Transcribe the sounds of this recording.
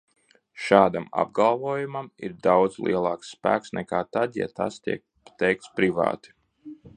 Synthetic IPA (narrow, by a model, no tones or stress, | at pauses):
ʃaːd̪ama̰b̚ɡalˠvuɔjumamḭɾd̪awd̪zlˠḭɛlˠɑːksːpæ̰ːksnɛkaːt̪ad̪ja̰t̪a̰st̪ḭɛk̚ | t̪ɛjk̚t̪spɾiva̰ːt̪i̥